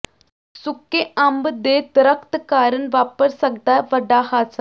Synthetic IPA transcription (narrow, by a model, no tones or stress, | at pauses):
sukːeʔɐmbɨd̪eːd̪ɾɐkt̪kaːɾɐnʋaːpɐɾsɐɡ̚d̪aʋɐɖaːɦaːt͡sa